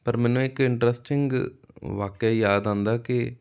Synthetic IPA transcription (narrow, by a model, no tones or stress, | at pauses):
pəɾmɛ̃ːnũːɪkɪɳʈɾɛsʈɪŋɡʋaːkjaːjaːd̪ãːnd̪aːkɪ